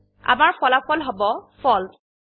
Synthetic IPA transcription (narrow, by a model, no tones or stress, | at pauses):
a̰maɹpɔlapɔlɦɔbɔfʰɔl